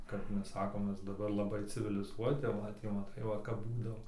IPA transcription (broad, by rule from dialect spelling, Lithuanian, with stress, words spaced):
kɐp ˈmʲɛs ˈsɑːkoːm ˈmʲɛs dɐˈbɐr lˠɐˈbɐɪ t͡sʲɪʋʲɪlʲɪˈzuɔtʲɪ tɐɪ ˈʋɐt jɛʊ mɐˈtɐɪ ˈʋɐ kɐp ˈbuːdɐʋoː